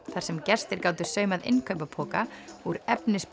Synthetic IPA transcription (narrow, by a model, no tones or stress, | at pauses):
θaɾ̥sɛmcɛr̥st̪ɪɾkaːwt̪ʏ̥sœːɥmaðɪ̰nkʰœɥpapʰɔːkauɾɛpnɪsp